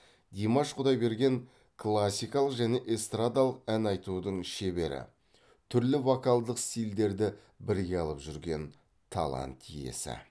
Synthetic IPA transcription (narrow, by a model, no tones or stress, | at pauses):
d̪ʲimaʃqʰʊd̪ɑjbe̞ɾɡʲe̞ŋ | kʰlˠasʲːijkɑlˠəqʒæne̞ʔest̪rad̪alˠəq̚ænɑjt̪ud̪əɴʃe̞be̞ɾɪ̰ | t̪ʰʏɾlɪvokalˠd̪əqst̪ijld̪e̞ɾd̪ɪ | bɪɾɡʲeɑlˠəpʒʏɾɡʲe̞n | t̪ʰɑ̰lˠɑ̰nt̪ʰːḭje̞̰sɪ̰